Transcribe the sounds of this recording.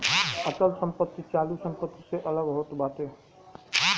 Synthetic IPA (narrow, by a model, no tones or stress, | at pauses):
ət͡ʃəlsəmpət̪ːit͡ʃalusəmpət̪ːiseʔələɡɦot̪bat̪e